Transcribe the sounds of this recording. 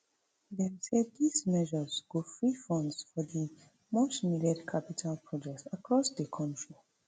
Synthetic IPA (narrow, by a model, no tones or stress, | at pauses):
dɛsɛdizmɛʒəzɡofɹifɔ̃ndsfɔdi | mosmidɛdkʰapitʰalpʰɹɔd͡ʒɛk̚tsakʰɹɔsdəkʰɔ̃ntɹi